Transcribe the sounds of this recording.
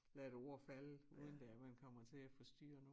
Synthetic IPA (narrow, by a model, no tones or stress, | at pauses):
læɾ̥o̝ɐ̰fæləuːðˠnd̥æmænkʰɒ̽m̰ɐt͡sʰe̝æfɒ̽sd̥y̰ːɐno